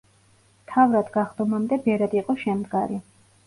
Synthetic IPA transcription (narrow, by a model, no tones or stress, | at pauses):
mt̪ʰavɾad̪ɡaχd̪ɔmamd̪ɛbɛɾad̪iːqʼɔʃɛmd̪ɡaɾi